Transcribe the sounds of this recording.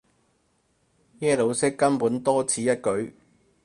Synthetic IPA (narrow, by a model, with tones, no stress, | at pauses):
jɛː˥lo˨˥wsɪ˥kːɐ˥npuː˨˥nt̪ɔː˥t͡sʰiː˨˥jɐ˥t̚kɵ˨˥ɥ